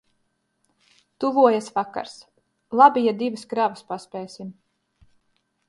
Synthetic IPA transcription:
t̪uvuɔjasvaka̰ɾs | lˠabʲijad̪ivɨskɾavɨspaspʲɛːsim

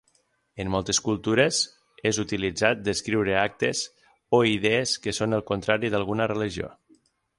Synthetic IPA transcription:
ənːɔlˠt̪əskulˠt̪uɾez | ezut̪ilid͡zat̪̚d̪əskɾiwɾəak̚t̪ez | oiðeeskəsonəlˠkont̪ɾaɾiðalˠɣunərəliʒio̰

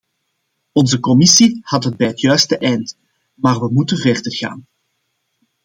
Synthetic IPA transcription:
ɔnzəkɔmisihɑtɦəd̚bɛjɦətʰjœɥstəʔɛjnt | maːrʋəmutənvɛrdərɣa̰ːn

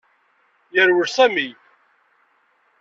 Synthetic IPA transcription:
jəɾwəɾsæmij

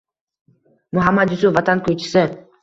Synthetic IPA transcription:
mʊɦamːad̪jʊsʊvat̪ʰankʰʲɵjt͡ʃʰɪ̥sɪ

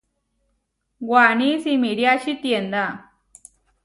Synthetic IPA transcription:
ɡwanisimiɽjaɕit̪jend̪a

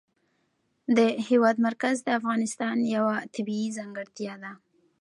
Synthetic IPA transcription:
d̪əhewɑd̪maɾkazd̪əafɣɑnɪst̪ɑnjawat̪abiizaŋɡəɾt̪jɑd̪a

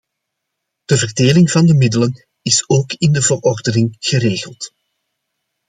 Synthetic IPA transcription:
d̥əvərdeːlɪŋvɑndəmɪdələn | ɪsoːkɪndəvərɔrdənɪŋɣ̥əɾeːɣəlˠt

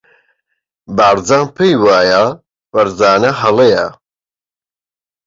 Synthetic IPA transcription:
baːɾd͡zaːnpʰejwaːja | fɐɾzaːnɐɦɐlejɐ

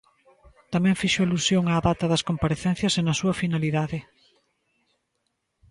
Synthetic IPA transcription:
t̪amɛ̃ŋfiʃoalusjoŋaːðat̪ɐðɐskompaɾeθɛn̟θjɐsenɐsuɐfinaliðaðɪ

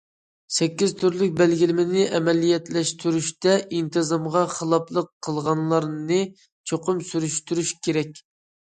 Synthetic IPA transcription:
sɛkʲːizt̪ʰyɾlyk̚ʲbælɡʲilɪmɪnɪʔɛmɛlijɛt̪lɛʃt̪ʰyɾyʃt̪ɛʔint̪ʰɨzɑmʁɑχəlˠɑplˠəqʰːəlˠʁɑnlˠɑɾnɨ | t͡ʃʰoqʰʊmsyɾyʃt̪yɾyʃkʲʰeɾɛkʲ

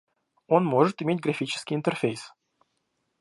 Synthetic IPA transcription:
o̞nmoʐɨt̪ɪmʲet̚ʲɡɾɐfʲit͡ɕɪ̥skʲɪjɪnt̪ərfʲejs

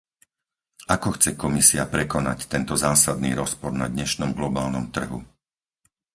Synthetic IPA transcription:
ʔakɔxt͡sɛkɔmisiapɾɛkɔnact̪ɛnt̪ɔzaːsad̪nḭːɾɔspɔɾna̰d̪ɲɛʃnɔmɡlɔbaːlnɔmt̪r̩ɦṵ

